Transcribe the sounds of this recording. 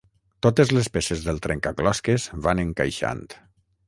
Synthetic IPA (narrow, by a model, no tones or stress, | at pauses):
t̪ot̪ezlespesezðəlˠt̪ɾeŋkaklɔskezβanəŋka̰jʃa̰nt̪